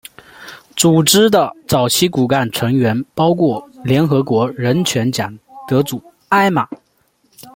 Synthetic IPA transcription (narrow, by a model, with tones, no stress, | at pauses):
t͡su˨˩ʈ͡ʂɻ̩˥d̪ə˨t͡sɑ˨˩ʊt͡ɕʰi˥ku˨˩ka˥˩nʈ͡ʂʰɤ˧˥ŋɥɛ˧˥npɑ˥ʊkʰwɔ˥˩ljɛ˧˥nxɤ˧˥kwɔ˧˥ɻə˧˥nt͡ɕʰɥɛ˧˥nt͡ɕjɑ˨˩˦ŋt̪ɤ˧˥t͡su˨˩˦ | a˥˩ɪma˨˩˦